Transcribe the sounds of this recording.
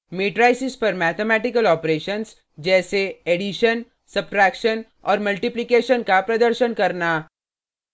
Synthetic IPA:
meːʈɾaːɪsɪspɐɾmɛːt̪ʰemɛːʈɪkəlɔːpɾeːʃəns | d͡ʒɛːseeɖɪʃən | sɐb̚ʈɾɛːkʃən | ɔ̰ːɾmɐlʈɪplɪkeːʃənkapɾɐd̪əɾʃənkɐɾnaː

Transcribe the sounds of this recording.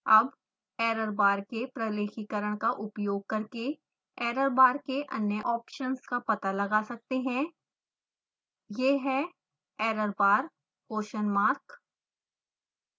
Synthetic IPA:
ɐb | ɛːɾəɾbaːɾkepɾɐleːxikəɾəɽ̃kaʔʊpjoːɡ̚kɐɾke | ɛːɾəɾbaːɾkeʔɐ̰njəʔɔːpʃənskapɐt̪alɐɡasɐk̚t̪eɦɛ̃ː | jeːɦɛ̃ | ɛːɾəɾbaːɾ | oːʃənmaːɾk

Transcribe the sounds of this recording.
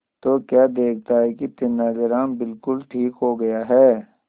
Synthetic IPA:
t̪oːkjaːd̪eːkʰt̪aɦɛkit̪ɪnːaːd͡ʒəɾaːnbɪlkʊlʈʰiːkɦoɡɐjaɦɛː

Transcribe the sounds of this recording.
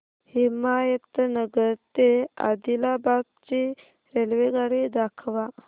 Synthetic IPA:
himajət̪nəɡəɾt̪ea̰d̪ilabab̚t͡ɕi | ɾelʋeɡaɽid̪akʰʋa

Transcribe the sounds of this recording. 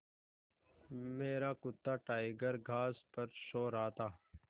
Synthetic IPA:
meːɾaːkʊt̪ːaːʈaːɪɡəɾɡʱaːspɐɾʃoːɾaːt̪aː

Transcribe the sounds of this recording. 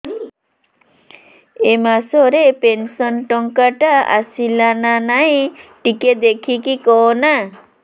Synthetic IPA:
emasoɾepensɔnʈɔŋkəʈaa̰silananajʈiked̪ekʰikikɔːna

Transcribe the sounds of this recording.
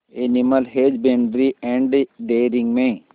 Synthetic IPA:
eniməlɦeːd͡ʒbẽːɳɖɾiɛ̃ːɳɖɖeːɾĩŋɡmẽː

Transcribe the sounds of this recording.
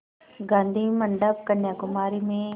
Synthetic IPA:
ɡãːnd̪ʱiməɳɖəp̚kənjaːkʊmaːɾimẽ

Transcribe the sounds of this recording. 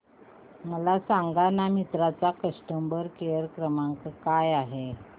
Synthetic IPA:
məlasaŋɡanamit̪ɾat͡sakəʂʈəmbəɾkeəɾkɾəmaŋkəkajaɦe

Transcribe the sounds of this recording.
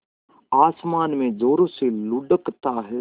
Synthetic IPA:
aːsmaːnmẽːd͡ʒoːɾoːselʊɖəkt̪aːɦɛː

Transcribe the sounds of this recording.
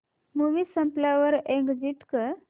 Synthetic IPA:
muʋisə̃mplaʋəɾẽŋɡd͡ʑiʈkə

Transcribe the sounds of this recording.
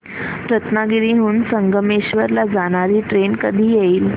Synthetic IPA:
ɾət̪naɡiɾiɦuːnsəŋɡəmeɕʋəɾlad͡zaɽ̃aɾiːʈɾenkəd̪ʱiːjeiːl

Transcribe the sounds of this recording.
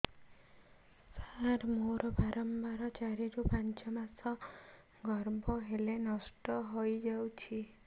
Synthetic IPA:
saɾmoɾɔbaɾɔmbaɾɔt͡ʃaɾid͡ʒopant͡ʃɔmasɔ | ɡʱɔɾbɔɦelenɔsʈɔɦojd͡ʒawt͡ʃʰi

